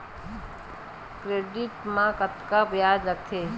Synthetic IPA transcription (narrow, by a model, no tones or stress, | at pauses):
kɾeːɖɪʈmãkət̪kapjaːd͡ʒəkt̪ʰe